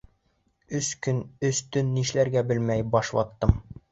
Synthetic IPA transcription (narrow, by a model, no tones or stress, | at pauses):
ɵskɵnɵst̪ɵnːiʃlæɾɡæbɘlmæjbɑʃwɑ̰t̪ːɤm